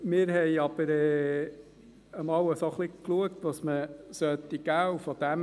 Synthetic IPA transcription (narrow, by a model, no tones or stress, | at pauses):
mɪːɾhɛjɑb̥əɾɛː | əmɑːwəsoχlikluəkt̪ʋɑsməsœt̪iɡ̥æːwfɔd̪̥æm